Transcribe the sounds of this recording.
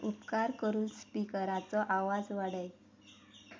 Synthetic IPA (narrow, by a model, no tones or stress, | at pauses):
upkaɾkəɾuːnspikəɾat͡sɔʔaʋad͡zʋaɽəj